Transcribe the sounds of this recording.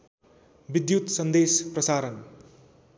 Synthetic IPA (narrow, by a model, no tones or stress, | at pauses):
bid̪jut̪sʌnd̪esprʌsaɾʌn